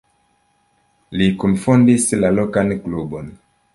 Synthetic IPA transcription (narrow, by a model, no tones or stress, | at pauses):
likumfondislalɔkanklubɔn